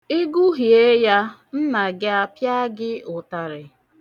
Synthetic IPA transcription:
i˦ɡu˦ɦi˨e˦ja˦n̩˦na˨ɡɪ˦a˦pja˦ɡɪ˦ʊ˨ta˨ɾɪ˨

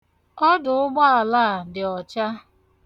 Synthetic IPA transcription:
ɔ˦dʊ˨ʊ˦ɡ͡ba˦a˨la˦˨dɪ˨ɔ˨t͡ʃa˦

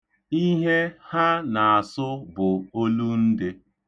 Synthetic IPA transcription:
i˦ɦe˦ha˦na˨a˨sʊ˦bʊ˨o˦lu˦n̩˦dɪ˦

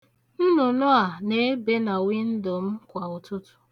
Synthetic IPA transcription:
n̩˦nʊ˨nʊ˦a˨ne˦be˦na˨wi˦n̩˦dɔ˨m̩˦kʷa˨ʊ˨tʊ˦tʊ̥˨

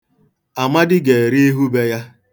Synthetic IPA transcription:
a˨ma˦dɪ˦ɡe˨e˨ɾi˦e˦ɦu˦be˦ja˦

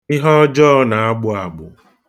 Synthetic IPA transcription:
i˦ɦɔ˦d͡ʒɔ˦na˨a˦ɡ͡bʊ˦a˨ɡ͡bʊ̰˨

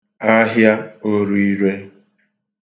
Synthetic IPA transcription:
a˦ɦja˦o˦ɾu˦i˦ɾe˦

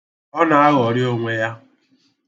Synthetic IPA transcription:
ɔ˦na˨a˦ɣɔ˨ɾɪ˦o˦ŋʷe˦ja˦

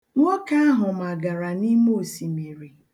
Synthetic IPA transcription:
ŋʷo˦ka˦a˦ɦʊ˨m˨a˨ɡa˨ɾa˨ni˦m˦o˦˨si˨mi˨ɾi˨

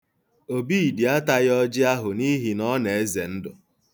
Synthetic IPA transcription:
o˨bi˦i˨di˨a˦ta˦jɔ˦d͡ʒɪ˦a˦ɦʊ˨ni˦ɦi˨nɔ˦ne˨e˦ze˨n̩˦dʊ˨

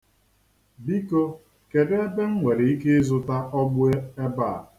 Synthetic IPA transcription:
bi˦ko˦ | ke˨de˦be˦ŋ̩˦ŋʷe˨ɾe˨i˦ke˦e˦zʊ˦ta˦ɔ˦ɡ͡bʊ˦e˦e˦ba˦˨

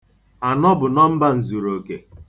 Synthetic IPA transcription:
a˨nɔ˦bʊ˨nɔ˦m̩˦ba˦n̩˨zu˨ɾo˨ke˨

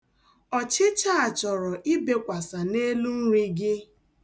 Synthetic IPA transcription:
ɔ˨t͡ʃɪ˦t͡ʃa˦a˨t͡ʃɔ˨ɾɔ˨ʔɪ˦be˨kʷa˨sa˨ne˦lu˦ŋ̩˦ɾʷi˦ɡɪ˦

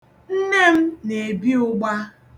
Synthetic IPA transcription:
n̩˦ne˦m̩˦ne˨bi˦ʊ˦ɡ͡ba˦

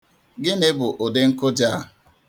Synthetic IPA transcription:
ɡɪ˦ne˦bʊ˨ʔo˨de˦ŋ̩˦kʊ˦d͡ʒa˦˨

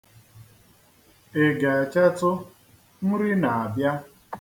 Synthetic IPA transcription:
e˨ɡa˨a˨t͡ʃa˦tʊ˦ | m̩˦ɾɪ˦na˨a˨bja˦

